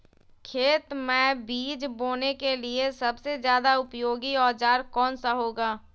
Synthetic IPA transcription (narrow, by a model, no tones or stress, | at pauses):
kʰeːt̪mẽbiːd͡ʒboːnekeliesɐbsezjaːd̪aʊpjoːɡiɔːd͡ʒaːɾkɔːnsaɦoːɡaː